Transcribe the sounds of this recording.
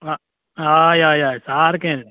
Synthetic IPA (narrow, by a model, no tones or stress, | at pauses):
a | aːjaːjaːjsaːɾkẽ